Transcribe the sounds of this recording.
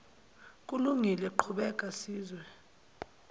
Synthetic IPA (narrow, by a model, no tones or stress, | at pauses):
kʼuluŋʱilɛǃʰuɓɛkʼasiːzwɛ